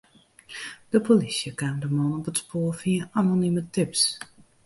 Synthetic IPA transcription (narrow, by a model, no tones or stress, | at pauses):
d̥əpolisjəkaːmdəmɔnɔpətspoːəfiəanonimətɪps